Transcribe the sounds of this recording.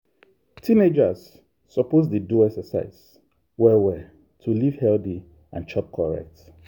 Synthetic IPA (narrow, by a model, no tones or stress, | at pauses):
tʰĩned͡ʒasː | ɔpoz̬deduɛksəsa̰ɪs | wɛwɛ | tʰuliv̥hɛldi | ã̰nt͡ʃɔp̚kʰɔɹɛ̰k̚t